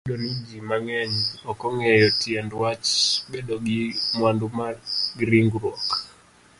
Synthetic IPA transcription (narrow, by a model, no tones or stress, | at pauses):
donid͡ʒimaŋɛɲɔkɔŋɛjɔtjɛndwat͡ʃbedɔɡimwandumarɡɾiŋɡɾwɔk